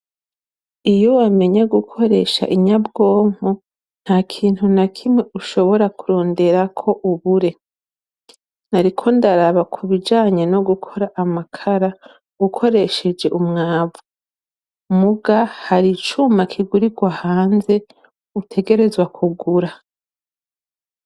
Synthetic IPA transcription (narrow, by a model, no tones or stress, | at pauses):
ijo̞wame̞ɲaɡukʰo̞ɾe̞̰ʃa̰ʔiɲabɡo̞ːmo | n̥haːkʰiːn̥hunakʰimweuʃo̞βo̞ɾakuɾo̞ːnde̞ɾakʰo̞ʔuβuɾe̞ | naɾikʰo̞ndaɾaβakʰuβid͡ʒaːɲe̞no̞ɡukʰo̞ɾaʔamakʰaɾa | ukʰo̞ɾe̞ʃe̞d͡ʒe̞ʔumŋaːvu | muɡahaɾit͡ʃumakʰiɡuɾiɡwahaːnze̞ | utʰe̞ɡe̞ɾe̞zwakʰuɡuɾa